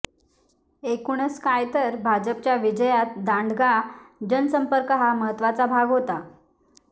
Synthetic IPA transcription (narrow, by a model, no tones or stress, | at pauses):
ekuɳ̃əskajt̪əɾbʱad͡ʑəp̚t͡ɕjaʋid͡ʑəjat̪d̪aɳɖɡad͡ʑənsəmpəɾkəɦaməɦət̪ʋat͡sabʱaɡɦot̪a